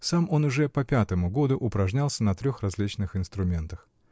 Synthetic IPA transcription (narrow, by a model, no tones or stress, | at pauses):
samo̞nʊʐɛpɐpʲat̪əmʊɡo̞d̪ʊʔʊpɾɐʐnʲalˠsʲənɐt̪ɾʲoxrɐzʲlʲit͡ɕnɨxɪnst̪ɾʊmʲe̞nt̪əx